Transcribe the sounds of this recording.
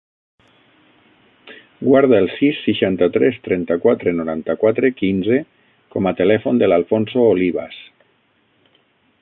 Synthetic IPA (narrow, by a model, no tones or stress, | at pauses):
ɡwaɾðaelˠsisːiʃant̪at̪ɾɛst̪ɾɛnt̪akwat̪ɾenoɾant̪akwat̪ɾekinze | komat̪elɛfond̪elalfonsooliβa̰s